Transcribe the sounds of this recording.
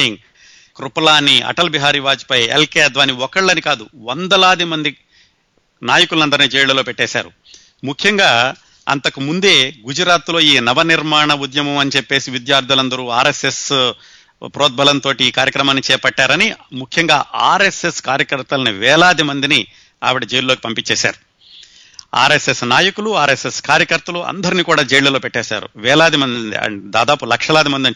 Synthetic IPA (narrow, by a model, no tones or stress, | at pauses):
iŋ | kɾupɐlaːnːiɐ̰ʈɐlbiɦaːɾiʋaːd͡ʒi̥pɐjḛlkeːd̪ʋaːniɔkɐɭːɐnikaːd̪uʋɐnd̪ɐlaːd̪imɐnd̪i | naːjɐkulunɐnd̪ɐɾnid͡ʒɛːjɭɐlo̞ːpɛʈːɛːsa̰ːɾu | mukʰjɐŋɡaː | ɐ̰nt̪ɐkumund̪e̞ːɡud͡ʒɐɾaːt̪lo̞ːiːnɐʋɐniɾmaːɳɐud̪jɐmɐmɐnit͡ʃepːe̞ːsiʋid̪jaːɾd̪ʱjulɐnd̪ɐɾuːaːɾeses | pɾɔːd̪̚bɐlɐnt̪oːʈiːkaːɾjɐkɾɐmaːnːit͡ʃɛːpɐʈːaːɾɐnimukʰjɐŋɡaːʔaːɾeseskaːɾjɐkɐɾt̪ɐlɐniʋɛːlaːd̪imɐnd̪ini | a̰ːʋiɽɐd͡ʒeːjlloːkipɐmpit͡ʃːɛːsa̰ːɾu | a̰ːɾesesnaːjɐkuluaːɾeseskaːɾjɐkɐɾt̪ɐluɐ̰nd̪ɐɾiniːkuːɽaːd͡ʒeːjlɐlo̞ːpɛʈːɛːʃa̰ːɾṵʋɛːlaːd̪imɐnd̪ḭɐ̰d̪aːd̪aːpulɐkʂɐlaːd̪imɐnd̪ɐ